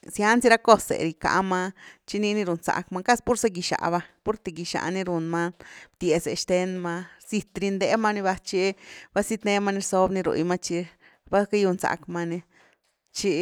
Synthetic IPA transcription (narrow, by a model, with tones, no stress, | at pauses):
sja˧˦nsi˧ɾa˦ko˦sḛ˨ɾi˧ka̰˧ʔma˧t͡ʃi˧ni˧ni˧ɾu˨nsa̰˧kma˧ka˦spu˦ɾse˧˦ɡi˧ʃa̰˧ba˧po˦ɾt̪e˧ɡi˧ʃa̰˧ʔni˧ɾu˨nma˦˧bt̪je˨se˧ʃt̪e˧nma˧si˧t̪ɾi˧nd̪e˧˦ma˧ni˧ba˧t͡ʃi˧b̥a˧si˧t̪ne˧ma˧ni˧ɾso˧bni˧ɾṵ˧jma˧t͡ʃi˧ | ba˦ka˦ju˧nsa̰˧kma˧ni˧ | t͡ʃi˧